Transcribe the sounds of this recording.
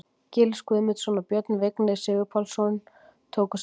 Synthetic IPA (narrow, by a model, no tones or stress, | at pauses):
cɪːlɪskuðmɪt̪sɔnapjœt̪nveknɪðsɪːvɪpʰɔlsɔn | t̪ʰoːwkʏs